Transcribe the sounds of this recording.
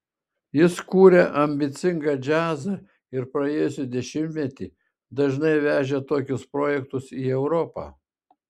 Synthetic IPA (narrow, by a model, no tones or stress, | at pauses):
jɪskuːɾʲeʔɐmʲbʲɪt̪sʲɪŋɡɑd͡ʒʲæːzɐ | ɪɾpɾɐeːjʊsʲɪd̪ʲɛʃʲɪmʲt̪ʲmʲɛt̪ʲiː | d̪ɐʒnɐɪʋʲæːʒʲet̪oːkʲʊspɾoːjɛk̚t̪ʊsiːɛʊɾɔpɑ̰ː